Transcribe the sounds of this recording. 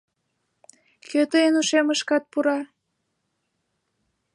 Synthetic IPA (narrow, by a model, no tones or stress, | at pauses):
køt̪əenuʃeməʃkɑt̪̚puɾɑ